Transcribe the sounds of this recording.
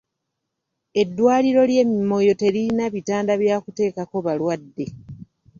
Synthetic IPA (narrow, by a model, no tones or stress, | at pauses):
e̞dːwaːliɾo̞lje̞ːmimo̞jo̞te̞liinaβitaːndaβjaːkute̞ːkako̞βalwadːe̞